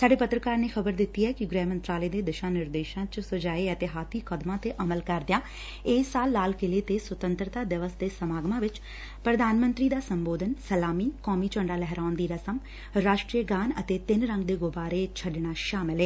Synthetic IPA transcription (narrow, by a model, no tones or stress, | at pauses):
saːɖeːpət̪ɾəkaːɾneːxʰəbəɾd̪ɪt̪ːiːɛːkɪɡɾɛːmə̃nt̪ɾaːləeːd̪eːd̪ɪʃãːnɪɾd̪eːʃãːt͡ʃsʊd͡ʒaːeət̪eːɦaːt̪ʰiːkəd̪mãːt̪eːʔəməlkəɾd̪ejaː | ɪːsaːlːaːlkɪleːt̪eːswət̪ə̃nt̪ɾət̪aːd̪ɪʋəsd̪eːsəmaːɡmãːʋɪt͡ʃ | pɾəd̪aːnmə̃nt̪ɾiːd̪aːsəmboːd̪ənsəlaːmiːkɔːmiːt͡ʃə̃ɳɖaːlɛɦɾaːʊnd̪iːɾəsəm | ɾaːʃʈɾiəɡaːnət̪eːt̪ɪnɾəŋɡd̪eːɡʊbaːɾeːt͡ʃʰəɖɳaːʃaːmɪlɦɛː